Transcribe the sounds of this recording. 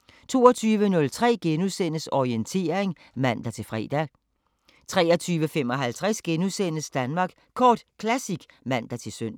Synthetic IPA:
t͡sʰo̝ːɒt͡sʰyːʋənɔ̽lt͡sʰʁɛ̰ːɡ̥enusen̰əsɒient͡sʰe̝̰ːɐeŋ | mæn̰d̥æt͡sʰe̝lfʁɛ̰ːd̥æ | t͡sʰʁɛ̰ːɐt͡sʰyːʋəfemɒ̽ɦælt͡sʰʁɛsɡ̥enusenəsd̥ænmɑ̈ːɡ̥ | kʰɒːd̥kʰlæsiɡ̥mæn̰d̥ɑ̈t͡sʰe̝lsøn̰

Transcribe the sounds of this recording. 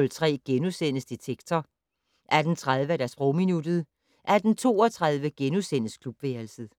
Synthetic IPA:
lt͡sʰʁɛ̰ːɡ̥enusen̰əsd̥it͡sʰeɡ̥t͡sʰɒ | ʔæɐd̥n̩t͡sʰʁað̞ˠʋəæd̥æɐsb̥ʁɔʊminud̥ð̞̩ˠ | ʔæd̥n̩t͡sʰo̝̰ːɒt͡sʰʁað̞ˠʋəɡ̥enusen̰əskʰlub̥ʋeːɐlsð̩ˠ

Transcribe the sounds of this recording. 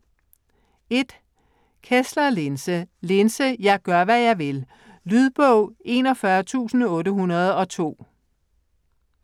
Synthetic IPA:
e̝d̥ | kʰeslɐlensəle̝nsəjɑ̈ɪɡ̥ɶɐʋæjɑ̈ɪʋe̝l | lyð̞ˠb̥ɔʊ̰ʔe̝nɒ̽fɶɐt͡sʰṵːsn̩ɔ̽ːɾəɦunɐð̞̩ˠɒ̽t͡sʰo̝̰ː

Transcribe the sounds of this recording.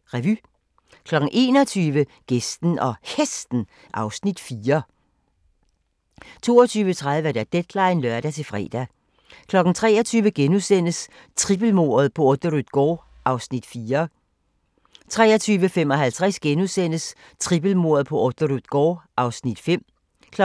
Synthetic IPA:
ʁɛʋy | kʰlɒ̽ɡ̥n̩ʔe̝̰ːnɒ̽t͡sʰyːʋəɡ̥esd̥n̩ʔɒ̽hesd̥n̩ | ʔɑ̈ʊsnid̥fiːɐ | t͡sʰo̝̰ːɐt͡sʰyːʋət͡sʰʁaðˠʋəæɐd̥æd̥ed̥lɑ̈ɪnlœɐɾ̥æt͡sʰe̝fʁɛ̰ːd̥æ | kʰlɒ̽ɡ̥n̩t͡sʰʁɛ̰ːɐt͡sʰyːʋəɡ̥enusen̰əs | t͡sʰʁib̥əl̩mo̝ːɐð̞̩ˠpʰɒ̽od̥oʁuð̥ˠɡ̥ɒ̰ː | ʔɑ̈ʊsnid̥fiːɐ | t͡sʰʁɛːɐt͡sʰyːʋəfem̰ɒ̽ɦælt͡sʰʁɛsɡ̥enusen̰əs | t͡sʰʁib̥əl̩mo̝ːɐð̩ˠpʰɒ̽ʔod̥əʁuð̥ˠɡ̥ɒːʔɑ̈ʊsnid̥fem̰ | kʰ

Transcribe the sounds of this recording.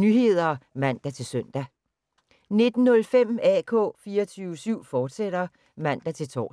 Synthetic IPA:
nyɦe̝ð̞̰ˠɐmæn̰d̥æt͡sʰe̝lsœn̰d̥æ | ne̝d̥n̩ːɔ̽lfem̰ɛkʰɔ̰̽ːfiːɐt͡sʰyːʊəsyʊ̰fɒːd̥seɾ̥ɐ | mæn̰d̥æt͡sʰe̝lt͡sʰɒ̰ː

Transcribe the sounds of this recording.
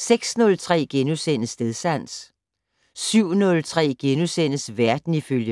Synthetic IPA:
seɡ̥snɔ̽lt͡sʰʁɛ̰ːɡ̥enusen̰əsd̥eðˠsæn̰s | syʊ̰nɔ̽lt͡sʰʁɛ̰ːɡ̥enusen̰əsʋæɐd̥n̩iføljə

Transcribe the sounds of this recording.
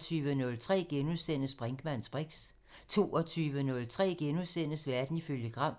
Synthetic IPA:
t͡sʰyːʋənɔ̽lt͡sʰʁɛ̰ːɡ̥enuðˠsen̰əsb̥ʁeŋɡ̥əmæn̰sb̥ʁiɡ̥s | t͡sʰo̝̰ːɒt͡sʰyːʋənɔ̽lt͡sʰʁɛ̰ːɡ̥enuðˠsen̰əsʋæɐd̥n̩iføljəɡ̥ʁɑ̈m̰

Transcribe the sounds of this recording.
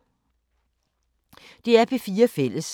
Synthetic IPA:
d̥e̝æɐb̥ʰefiːɐfel̰əs

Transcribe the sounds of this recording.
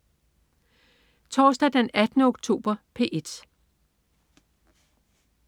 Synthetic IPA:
t͡sʰɒːsd̥æd̥enæd̥ənəɔɡ̥t͡sʰo̝̰ːb̥ɐpʰe̝̰ʔe̝d̥

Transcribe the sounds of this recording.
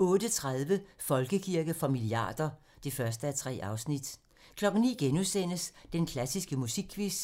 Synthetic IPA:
ɔ̽ːd̥ət͡sʰʁaðˠʋəfɒ̽lɡ̥əkʰiɐɡ̥əfɒ̽miliɑ̰̈ːd̥ɐ | d̥ifɶɐsd̥əæt͡sʰʁɛ̰ːɑ̈ʊsnid̥ | kʰlɒ̽ɡ̥n̩nḭːɡ̥enusen̰əsd̥enkʰlæsisɡ̥əmusiɡ̥̚kʰːʋis

